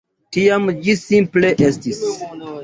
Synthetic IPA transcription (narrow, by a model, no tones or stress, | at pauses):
tiamd͡ʒisimple̞ʔestis